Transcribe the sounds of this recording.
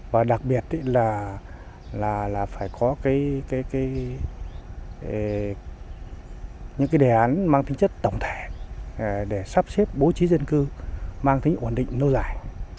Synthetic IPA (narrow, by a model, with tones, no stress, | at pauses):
vaː˨˩ɗa˨˩k̚ɓi˨˩ət̚ɗə˨˦laː˨˩ | laː˨˩laː˨˩faː˧˩jkɔ˨˦kaː˨˦jkaː˨˦jkaː˨˦j | ɲɨ̰˧˥ŋkaː˨˦jɗe˧˨˩ʔaː˨˦nmaː˧ŋt̪ʰi˨˦ŋt͡ɕə˦˥t̚t̪ə˧˩wŋ͡mt̪ʰe˧˩ | ɗe˧˩saː˦˥p̚se˦˥p̚ɓo˨˦t͡ɕi˨˦zə˧nkɨ˧maː˧ŋt̪ʰï˨˦ŋ̟ʔo˧˩nɗḭ˧˨ŋ̟no˧wzaː˧˩j